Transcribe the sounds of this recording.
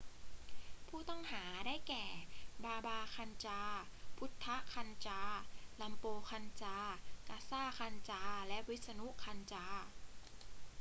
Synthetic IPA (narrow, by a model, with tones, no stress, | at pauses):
pʰuː˥˩t̪ɔ˥˩ŋɦaː˩˦daː˥˩jkɛː˨˩baː˧baː˧kʰa˧nt͡ɕaː˧pʰu˦˥t̪ʰːa˦˥kʰa˧nt͡ɕaː˧˥la˧mpoː˧kʰa˧nt͡ɕaː˧kaː˧saː˥˩kʰa˧nt͡ɕaː˧lɛ˦˥ʔwi˦˥t̪̚sa˧nu˦˥ʔkʰa˧nt͡ɕaː˧˥